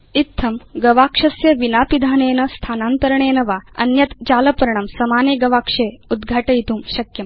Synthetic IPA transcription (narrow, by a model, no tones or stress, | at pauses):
it̪ʰːɐmɡɐʋaːkʂɐsjɐʋinaːpid̪ʱaːneːnɐst̪ʰaːnaːnt̪ɐɾɐɳeːnɐʋaːɐ̰njɐt̪t͡ɕaːlɐpɾɐɳ̃ɐmsɐmaːneɡɐʋaːkʂeːud̪ɡʱaːʈɐjit̪uːmɕɐkjɐm